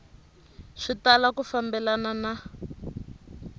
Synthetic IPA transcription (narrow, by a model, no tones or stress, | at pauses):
ʂitalakufambɛlanana